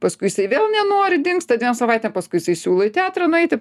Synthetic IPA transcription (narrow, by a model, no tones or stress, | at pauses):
pɐskʊɪjɪsɐɪʋʲeːlˠnʲɛnoːɾʲɪd̪ʲɪŋksʲt̪ɐdʲʋʲiɛnmsɐʋɐɪt̪ʲeːmpɐskʊɪjɪsɐɪsʲuːlˠoːɪt̪ʲæːt̪ɾɐnʊɛɪt̪ʲɪ